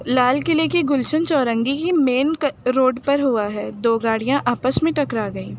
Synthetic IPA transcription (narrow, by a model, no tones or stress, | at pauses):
laːlkɪlekiɡʊlt͡ʃənt͡ʃɔːɾə̃ŋɡikimeːnɾoːɖpɐɾɦuaɦɛːd̪oːɡaːɽijãʔʔaːpəsmẽʈɐkɾaːɡɐiː